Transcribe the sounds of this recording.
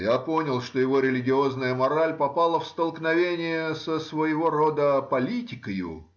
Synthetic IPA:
japo̞nʲɪlˠʂt̪o̞jɪvo̞ɾʲɪlʲɪɡʲɪo̞znəjəmɐɾalʲpɐpalˠəfst̪əlˠknɐvʲenʲɪjəsəsvəjɪvo̞rod̪əpɐlʲitʲɪkəjʊ̰

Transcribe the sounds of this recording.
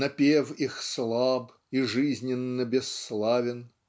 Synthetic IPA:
nɐpʲewixslˠab | iʐɨzʲnʲɪnːɨbʲɛsːlˠavʲɪn

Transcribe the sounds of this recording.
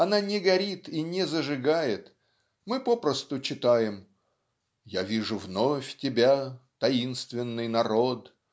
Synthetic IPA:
ɐnanʲɪɡɐɾʲit̪inʲɪzəʐɨɡajɪt̪ | mɨpo̞pɾəst̪ʊt͡ɕɪt̪ajɪm | javʲiʐʊvnofʲtʲɪbʲat̪ɐinst̪vʲɪnːɨjnɐɾo̞t̪

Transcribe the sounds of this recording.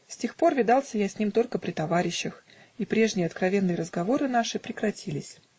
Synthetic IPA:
sʲtʲe̞xpo̞rvʲɪd̪ɑlˠsʲəjasʲnʲimt̪o̞lʲkəpɾʲɪt̪ɐvaɾʲɪɕːəx | ipɾʲe̞ʐnʲɪjəɐt̪kɾɐvʲe̞nːɨjəɾəzɡɐvo̞ɾɨn̪aʂɨpɾʲɪkɾɐtʲʰilʲɪsʲ

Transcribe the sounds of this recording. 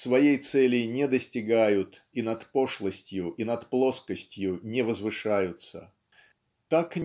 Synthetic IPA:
svɐjejt̪sɛlʲɪjnʲɛd̪əsʲtʲɪɡajʊt̪ | inɐt̪po̞ʂlˠəsʲtʲjʊʔinɐt̪plˠo̞skəsʲtʲjʊnʲɪvəzvɨʂajʊt̪sə̰ | t̪akʲ

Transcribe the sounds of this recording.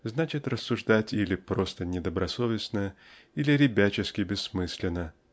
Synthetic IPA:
znat͡ɕɪt̪rəsːʊʐd̪atʲilʲɪpɾo̞st̪ənʲɪd̪əbɾɐso̞vʲɪsnəjə | ilʲɪɾʲɪbʲæt͡ɕɪskʲɪbʲɪsːmɨsʲlʲɪnə

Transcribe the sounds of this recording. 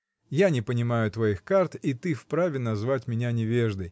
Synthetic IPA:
janʲɪpənʲɪmajʊt̪vɐixkart̪it̪ɨfpɾavʲɪnɐzvatʲmʲɪnʲanʲɪvʲe̞ʐd̪əj

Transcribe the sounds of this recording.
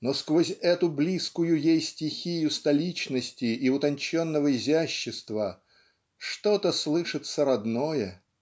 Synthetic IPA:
no̞skvozʲɛt̪ʊblʲiskʊjʊjejsʲtʲɪxʲijʊst̪ɐlʲit͡ɕnəsʲtʲɪʔːʊt̪ɐnʲt͡ɕo̞nːəvəɪzʲæɕːɪst̪və | ʂt̪o̞t̪əslˠɨʂɨt̪səɾɐd̪no̞jə

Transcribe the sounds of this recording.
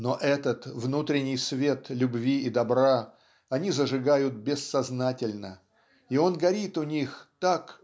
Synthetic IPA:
no̞ʔɛt̪ət̪vnut̪ɾʲɪnʲɪjsvʲe̞t̪lʲʊbvʲiid̪ɐbɾa | ɐnʲizəʐɨɡajʊt̪̚bʲɪsːɐznatʲɪlʲnə | io̞nɡɐɾʲit̪ʊnʲixt̪ak

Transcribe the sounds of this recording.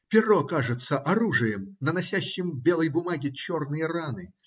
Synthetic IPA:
pʲɪrɔkaʐɨt̪sːəʔɐɾuʐɨjəmnɐnasʲæɕːɪmbʲelˠəjbʊmaɡʲɪt͡ɕɔrnɨjɐranɨ

